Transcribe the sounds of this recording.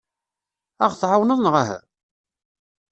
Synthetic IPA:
ɑʁθʕawnəðˤnʁaɦæ̰

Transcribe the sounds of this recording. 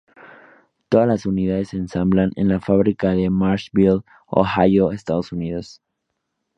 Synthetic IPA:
t̪oðazlasuniðaðe̞sːeːnsamblanḛnlafaβɾikaðe̞maɾʃbil | o̰xajoest̪aðosuniðo̞s

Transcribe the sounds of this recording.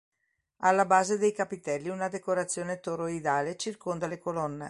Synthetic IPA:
alːabaːzed̪ejkapit̪ɛlːiunad̪ekoɾat̪sːjoːnet̪oɾoid̪aːlet͡ʃirkond̪alekolɔnːḛ

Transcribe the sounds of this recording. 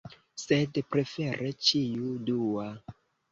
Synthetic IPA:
sedpɾe̞feɾʔet͡ʃiudua

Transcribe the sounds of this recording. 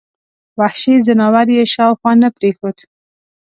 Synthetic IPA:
wahʃezanɑwaɾjeʃɑwxwɑnəpɾexod̪

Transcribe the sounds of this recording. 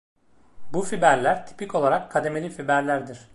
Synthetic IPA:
bufibæɾlʲæɾt̪ʰi̥pico̞lˠaɾakʰːad̪e̞melʲifibæɾlʲæɾd̪iɾ̥

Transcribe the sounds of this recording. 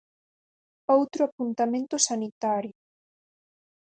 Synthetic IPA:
owt̪ɾʊapunt̪amẽnt̪ʊsanit̪aɾjʊ

